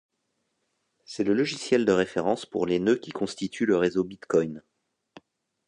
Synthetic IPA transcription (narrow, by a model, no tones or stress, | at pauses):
sɛləlɔʒisjɛld̪əʁefeʁɑ̃spṵʁlenøkʲikʰɔ̃st̪it̪ʰyləʁezobit̪kɔjn